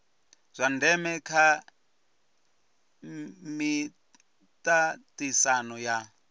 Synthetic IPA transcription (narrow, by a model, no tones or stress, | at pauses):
z̥ʷandɛmɛkʰa | mi | tʼatʼisanɔja